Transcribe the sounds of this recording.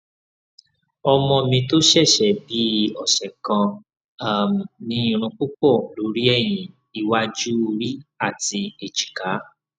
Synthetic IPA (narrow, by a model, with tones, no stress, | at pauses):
ɔ˧mɔ̃˧mĩ˧to˦ʃɛ˦˨ʃɛ˨bi˦ɔ˨sɛ˨kã˧ | a˦˨m̩˨nĩ˧˦ĩ˨˧ɾ̃ũ˧k͡pu˦k͡pɔ˦˨lo˨˦ɾi˦ɛ˦˨j̃ĩ˨ | i˧wa˧d͡ʒu˦o˧ɾi˦a˦˨ti˧e˨t͡ʃi̥˨ka˨˦